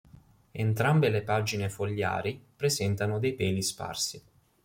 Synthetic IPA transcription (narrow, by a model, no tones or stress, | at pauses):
ent̪ɾambelepad͡ʒinefoʎːa̰ːɾipɾezɛnt̪anod̪ejpɛːlispa̰rsi